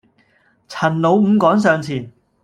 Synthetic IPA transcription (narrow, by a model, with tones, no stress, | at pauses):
t͡sʰɐ˨˩nlo˨˧wm̩ː˨˧kɔː˨˥ŋs̬œː˨ŋt͡sʰiː˨˩n